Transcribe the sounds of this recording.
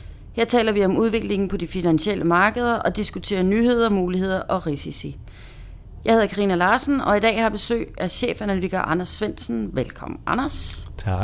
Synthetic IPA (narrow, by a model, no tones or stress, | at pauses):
he̝ɐ̰t͡sʰɛ̰ːlɐʋiɒ̽muð̞ˠʋe̝ɡ̥le̝ŋn̩pʰɒ̽d̥ifinænɕel̰ʔəmɑ̈ːɡ̥əð̞ˠɐʔɒ̽d̥isɡ̥ut͡sʰe̝̰ːɐnyːhe̝ð̞̰ˠɐmuːlihe̝ð̞̰ˠɐʔɒ̽ʁisisi | jɑ̈he̝ð̞ˠɐkʰɑʁḭːnɐlɑ̈ːsn̩ɒ̽id̥ɛ̰ːhɑ̈b̥e̝sø̰ːɪæɕḛːfænælyiɡ̥æʔɑ̈nɐsːʋen̰sn̩ʋelkʰɒ̽mn̩ʔɑ̈nɐsʰ